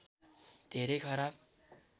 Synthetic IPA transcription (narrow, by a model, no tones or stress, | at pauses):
d̪̥ʱeɾʌjkʰʌɾab̚